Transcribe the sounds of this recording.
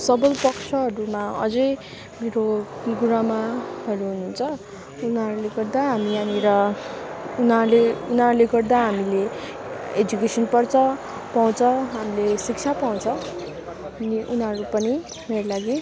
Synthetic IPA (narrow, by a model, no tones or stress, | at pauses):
sʌbʌlpʌkt͡sʰʌɦʌɾumaʌ̰d͡zʌj | meɾoɡuɾamaɦʌɾuɦunuːnt͡sʰʌ | unʌɾuleɡʌrd̪aɦamianiɾʌ | unʌɾleunʌɾuleɡʌrd̪aɦamile | ed͡zukesʌnpʌrt͡sʰʌ | paw̃t͡sʰʌɦamilesik̚t͡sʰapaw̃t͡sʰʌ | ʌniʔunʌɾupʌni | meɾolaɡi